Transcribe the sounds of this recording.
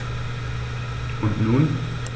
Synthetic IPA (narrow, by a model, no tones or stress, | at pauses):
ʔʊntnuːn